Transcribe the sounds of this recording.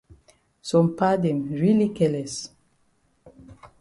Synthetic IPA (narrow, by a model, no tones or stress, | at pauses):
sɔ̃mpadɛ̃mɹilikɛlɛs